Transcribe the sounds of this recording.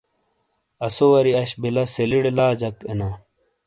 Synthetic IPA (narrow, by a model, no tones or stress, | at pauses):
ɐsowɐɾiɐɕbilɐseliɽelaːd͡ʑɐkena